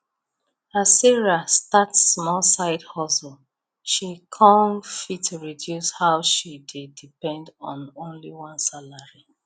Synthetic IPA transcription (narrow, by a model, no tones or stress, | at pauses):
asiɹastatsːmɔlsaɪdhɔsəl | ʃikʰɔ̃nfitʰːuɹidjushaʊʃidedipɛ̃ndɔ̃nõnliwʌ̃nsalaɹi